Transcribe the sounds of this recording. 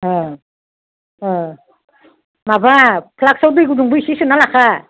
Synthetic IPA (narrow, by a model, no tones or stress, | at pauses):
mabapʰlak̚sawdɯjɡuduŋbɯisisɯnalakʰa